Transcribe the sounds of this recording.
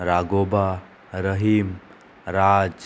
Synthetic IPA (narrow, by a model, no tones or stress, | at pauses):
ɾaɡoba | ɾəɦim | ɾad͡ʒ